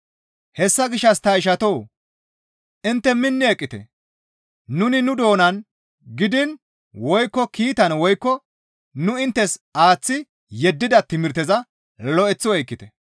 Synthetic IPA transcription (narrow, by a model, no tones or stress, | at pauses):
hɛsːɐɡɪʃːɐst̪ɐɪʃ̬ɐt̪o̞ː | ʔɪnt̪ːɛmɪnːɪɛkʼːɪt̪ɛ̰ | nʊnɪnʊd̪o̞ːnɐn | ɡɪd̪ɪn | wɔjkːɔkiːt̪ɐnwɔjkːɔ | nʊɪnt̪ːɛsaːt͡sːɪ | jɛd̪ːɪd̪ɐt̪ɪmɪɾt̪ɛzɐ | lɔɛt͡sːɔwɔjkːɪt̪ɛ